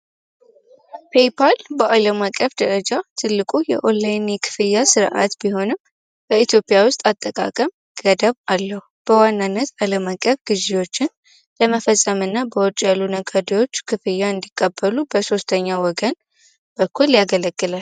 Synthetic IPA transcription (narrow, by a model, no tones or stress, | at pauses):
pʰe̞pʰalbəʔaləmakʼːəfd̪əɾəd͡ʒat̪ʰɨlːɨkʼujɛ̰ʔolajnikʰɨ̥fɨjːasɨɾʔa̰t̪biho̞nɨm | b̥əit̪ʰjo̞pʼɪjawʊst̪ʼat̪ʼːəkʼa̰kʼəm | ɡ̥əd̪əβalːəhub̥əwanːanːət̪aləmakʼːəfɡɨziwo̞t͡ʃːɪn | ləməfəsʼːəmɨnːabəwɔt͡ʃʼalunəɡad̪iwo̞t͡ʃːkʰɨfɨjːaɨnd̪ikʼːəbːəlubəso̞st̪ʰəɲːawɔɡən | b̥əkʰːuljaɡələɡːɨlal